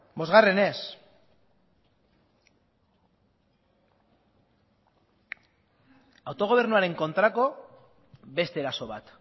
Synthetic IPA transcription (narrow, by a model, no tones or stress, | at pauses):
bo̞zɣare̞ne̞s | awt̪o̞ɣ̞o̞β̞e̞ɾnuaɾe̞ŋko̞nt̪ɾako̞ | βe̞st̪e̞ɾaso̞βat̪